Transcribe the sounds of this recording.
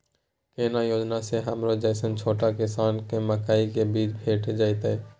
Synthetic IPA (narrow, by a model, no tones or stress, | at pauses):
keːnajoːd͡ʒnaseɦəmɾod͡ʒəːsənt͡ʃʰoːʈakɪsaːnkeməkaːikebiːt͡ʃbʱeːʈd͡ʒaːit̪ɛː